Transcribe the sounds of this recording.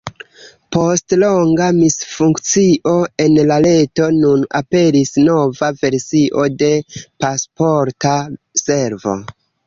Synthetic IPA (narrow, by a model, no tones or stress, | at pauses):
po̞stlo̞ŋɡamisfuŋkt͡siʔo̞e̞nlale̞to̞nuna̰pe̞ɾisno̞vave̞ɾsiʔo̞de̞paspo̞ɾta | se̞ɾvo̞̰